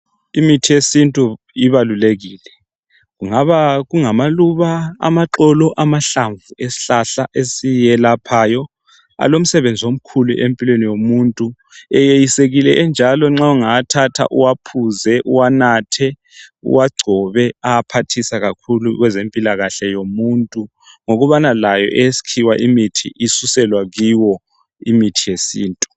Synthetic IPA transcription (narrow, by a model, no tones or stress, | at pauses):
imitʰijesintʼu | iβaluleɣiːlɛ | ɣuŋaβaɣuŋamaluβaa̰maǁɔlɔʔamaɬaɱvuesi̥ɬaɬaʔesijɛlapʰajɔ | a̰lom̩sɛβend͡zʱiwom̩kʰulṵʔempʼilwenijomuːntʼu | ɛjejiseɣilɛɛnd͡ʒʱalɔŋ͡ǁauŋatʰatʰa̰ʔṵwapʰuzɛʔṵwanatʰɛ | ṵwaɡ͡ǀʱɔβɛapʰatʰisaɣakʰuluɣwɛzempʼilaɣaɬɛjomuntʼu | ŋoɣuβanalajɔ̰ʔɛjsi̥kʰiwaʔimitʰḭʔisusɛlwaɣiwɔ | imitʰijesḭːntʼu